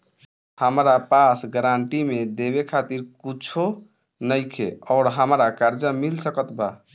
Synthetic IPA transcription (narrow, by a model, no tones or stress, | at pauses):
həmɾapasɡəɾaɳʈimed̪eβekʰat̪iɾkut͡ʃʰo | nəɪkʰeɔːɾɦəmɾakaɾd͡ʒəmilsəkət̪ba